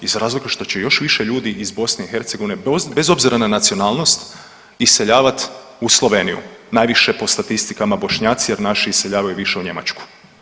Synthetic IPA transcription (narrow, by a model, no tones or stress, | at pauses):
izɾaːzlikaʃt̪o̞t͡ɕejo̞ʃʋiʃeʎuːd̪iʔizbo̞sneixe̞ɾt̪se̞ɡo̞ʋinebe̞zo̞bziɾananat̪sio̞naːlˠno̞st̪ | ise̞ʎaːʋat̪ | uslˠoʋe̞ːnijṵnajʋiʃe̞po̞st̪at̪ist̪ikamabo̞ʃɲaːt̪sijeɾnaʃiiseʎaːʋajuʋiʃe̞uɲe̞ma̰t͡ʃku̥